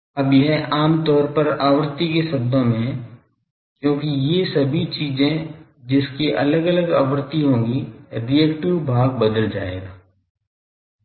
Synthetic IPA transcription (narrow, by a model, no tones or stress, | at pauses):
ɐbjɐɦɛʔaːmt̪ɔːɾpɐɾaːʋəɾt̪ikesɐb̚d̪õmẽ | kjõːkijesɐbʱit͡ʃiːzẽ | d͡ʒɪskiʔɐ̰ləɡɐləɡa̰ːwəɾt̪iɦõːɡiɾiɛːkʈɪʋbʱaːɡ̚bɐd̪əld͡ʒa̰ːḛːɡaː